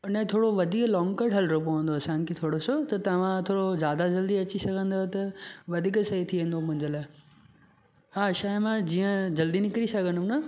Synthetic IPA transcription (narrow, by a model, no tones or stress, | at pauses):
ɪnə̃t̪ʰoːɽoʋɐd̪ʱiklɔːŋɡkɐɖʱɦɐlɾopɐʋə̃nd̪oɐsãnkʰet̪ʰoːɽosot̪ɐt̪ɐʋ̤ãt̪ʰoːɽozjaːd̪ad͡ʑɐld̪iɐt͡ɕisɐɡʱə̃nd̪ot̪ɐʋɐd̪ʱiːksɐɦit̪ʰiʋə̃nd̪omʊ̃ɦɪ̃ɲd͡ʑəlaː | haːʃaːɪmãd͡ʑiːə̃d͡ʑɐld̪inɪkɾisɐɡʱə̃nd̪unɐ